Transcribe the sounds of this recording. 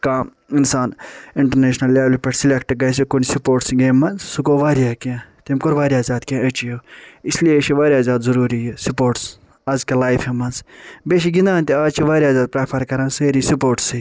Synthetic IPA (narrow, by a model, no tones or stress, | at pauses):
kaː | insaːnɪɳʈɐɾneːʃnɐlːaːʋlipɐʈsilʲekʈɡɐs̬ikunsupoːʈsɡeːmːɐnzsukoːʋaːɾijaːkãt̪emkoɾʋaːɾjaːzaːd̪kẽːɐt͡ʃijoːislijeʃʰiʋaːɾʲijaːzʲaːd̪zɐɾuːɾijesupoːɾʈs | aːzkɐlaːjfemɐnzbeːʃiɡind̪ãːnt̪eaːzt͡ʃʰiʋaːɾjaːzaːd̪̚pɾaːpʰɐɾkɐɾãːnseːɾiːsupoːʈsi